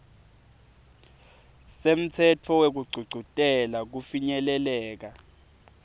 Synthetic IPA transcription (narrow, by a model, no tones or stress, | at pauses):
sem̩t͡sʰɛtʰɔwek̬uɡ͡ǀʱuɡ͡ǀʱutʼɛlak̬ufiɲɛlɛlɛːk̬a